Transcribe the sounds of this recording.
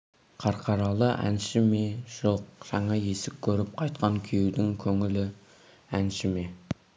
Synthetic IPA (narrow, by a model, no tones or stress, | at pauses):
qʰɑɾqʰɑɾɑlˠəʔæ̰nʃɪmeʒ̥oq̚ʒ̥ɑɴɑje̞sɪk̚ʲkʲʰːɵɾɪp̚qʰɑjt̪qʰɑŋkʲʰejud̪ɪŋkʲʰɵŋɪlɪ | ænʃɪme̞